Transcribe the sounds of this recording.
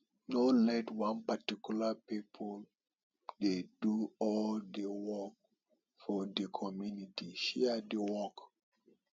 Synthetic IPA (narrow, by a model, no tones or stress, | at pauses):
nolɛtwãnpatikjulapipʰɔl | deduɔldewɔk̚ | fɔdəkʰɔmjunitiʃɛədəwɔk